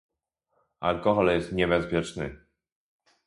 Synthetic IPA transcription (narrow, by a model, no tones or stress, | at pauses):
a̰lkɔxɔljɛst̪ɲɛbɛspʲjɛt͡ʂnɘ̰